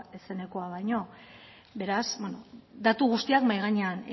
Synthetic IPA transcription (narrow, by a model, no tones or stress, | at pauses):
ese̞ne̞ko̞aβajɲo̞ | be̞ɾasbwenod̪at̪uɣ̞ust̪iakmajɣ̞aɲean